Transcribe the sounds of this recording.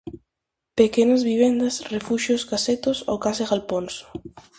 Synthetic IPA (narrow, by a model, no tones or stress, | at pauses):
pekenɐzβiβ̞end̪ɐsrefuʃjosɡaset̪oso̰wkaseɣalponsʊ̥